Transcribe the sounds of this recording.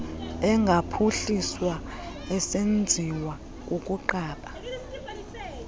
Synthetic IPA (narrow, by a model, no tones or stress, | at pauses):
ɛŋɡʱapʰuɬiswa | ɛsend͡zʱiwa | kuk̬ʼuǃaːɓa